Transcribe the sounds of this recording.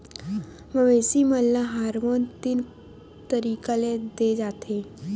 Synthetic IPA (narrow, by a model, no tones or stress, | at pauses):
məʋeːsiməlːaɦaːɾmont̪in | t̪əɾiːkaled̪ed͡ʒaːt̪ʰeː